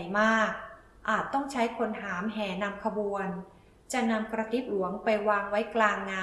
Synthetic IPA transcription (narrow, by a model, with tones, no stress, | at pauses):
jmaː˥˩k̚ | ʔaː˨˩t̪ːɔ˥˩ŋt͡ɕʰa˦˥jkʰo˧nɦaː˩˦mɦɛː˩˦na˧mkʰa˧bu˧ən | t͡ɕa˨˩na˧mkɾa˧t̪i˦˥p̚lu˩˦əŋpa˧jwaː˧ŋwa˦˥jklaː˧ŋːaː˧